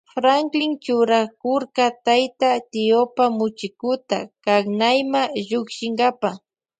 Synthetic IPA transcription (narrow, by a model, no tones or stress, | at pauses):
fɾaŋklɪŋt͡ʃʊɾakʊɾkat̪ajt̪at̪ɪopamʊt͡ʃɪkʊt̪a̰kaknajmaʒʊkʃɪŋɡapa